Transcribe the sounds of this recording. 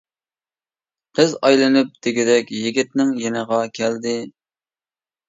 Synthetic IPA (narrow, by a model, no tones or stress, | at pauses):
qʰəzɑjlˠɨnɨp̚d̪̥ɪɡʲɪd̪ɛkʲjɪɡʲit̪̚nɪŋjɛnəʁɑkʲʰɛld̪ɪ